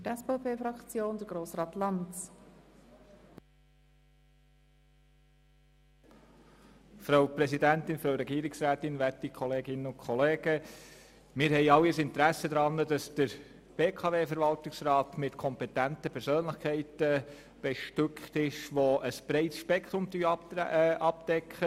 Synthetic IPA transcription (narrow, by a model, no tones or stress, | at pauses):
tɛspepʰeːfɾɑkt͡sjoːndəɾɡ̥ɾoːsɾɑːtlɑnt͡s | fɾɑwpɾɛsidæntɪnfɾoʊɾɛɡiːɾɪksɾæːtɪnʋætikʰɔleːɡɪnənʊnkʰχɔleːɡ̥ə | mɪːɾɦɛɪɑwːiəsɪnt̪əɾæsəd̪ɾɑnːədɑsd̥əɾ | b̥eːkʰɑveːfəɾvʋɑltɪksrɑːtmɪtkʰɔmpɛt̪æntəpʰɛɾsøːnləχkʰɛɪtə | b̥ɛʃtʏkχt̪ɪʃʋoəsb̥ɾɛɪtsʃpɛkʰt̪ɾʊmty | ɑpd̥ɛkχə